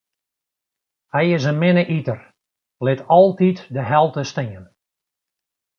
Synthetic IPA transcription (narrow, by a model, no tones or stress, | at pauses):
hɛjɪsənmɪnəʔitər | lɪtʰɔlˠtitdəɦɛlˠtəstɪən